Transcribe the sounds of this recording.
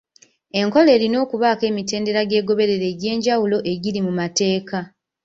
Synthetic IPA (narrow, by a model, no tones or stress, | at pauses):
e̞ŋko̞le̞ːɾino̞ːkuβaːke̞ːmite̞ːnde̞ɾaɟe̞ːɡo̞βe̞ɾe̞ɾe̞ɟe̞ːɲɟawulo̞ʔe̞ɟiɾimumate̞ːka